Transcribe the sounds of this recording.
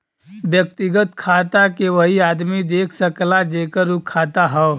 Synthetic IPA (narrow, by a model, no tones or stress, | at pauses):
ʋjəkt̪ɪɡət̪kʰaːt̪akeʋəɦiaːd̪mid̪eːkʰsəklad͡ʒeːkəɾukʰːaːt̪aɦɛ